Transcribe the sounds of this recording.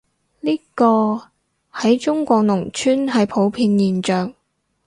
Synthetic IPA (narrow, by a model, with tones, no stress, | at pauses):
liː˥kɔː˧ | hɐ˨˥jt͡ʃʊ˥ŋkʷɔː˧k̚nʊ˨˩ŋt͡ʃʰyː˥nɦɐ˨jpʰo˨˥wpʰiː˧njiː˨˩nt͡ʃœː˨ŋ